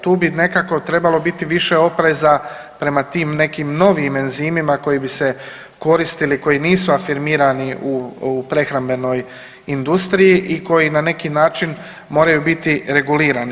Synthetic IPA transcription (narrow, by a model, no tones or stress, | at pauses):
t̪uːbine̞kako̞t̪ɾe̞balˠo̞bit̪iʋiʃe̞o̞pɾe̞za | pɾe̞mat̪iːmne̞kiːmno̞ʋimenziːmimako̞jibise̞ | ko̞ɾist̪iliko̞jiniːsuafiɾmiːɾaniʔupɾe̞xɾambe̞no̞j | ind̪ust̪ɾijiʔiko̞jinane̞kinaːt͡ʃin | mo̞ːɾajubit̪iɾe̞ɡuliːɾani